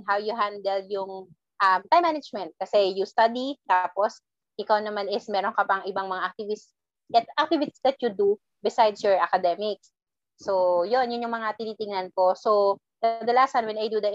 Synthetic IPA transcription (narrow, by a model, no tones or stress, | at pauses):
nɦawjʊɦand̪ɛljʊŋ | ʔɐmt̪ajmːanɐd͡ʒmɛnt̪̚kɐsɛjʊst̪ad̪it̪apos | ʔɪkawnɐmanɪsmɛːɾonkɐpɐŋʔɪbaŋmɐŋaʔɐk̚t̪ɪvɪs | ɛt̪ʔɐk̚t̪ɪvɪtsd̪ɐt̪̚jud̪u | bɪsajd̪sjɔɹʔɐkɐd̪ɛmɪk̚sː | ojonjʊnjʊŋmɐŋat̪ɪniːt̪ɪŋnɐnkoso | k̪ɐd̪ɐlaːsɐnwɛnajd̪ud̪ɐ